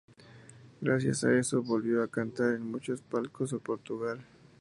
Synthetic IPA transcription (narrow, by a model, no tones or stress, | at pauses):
ɡɾasja̰sa̰e̞so̞βo̞lβjo̞akant̪aɾenmut͡ʃo̞spalko̞sopo̞ɾt̪uɣal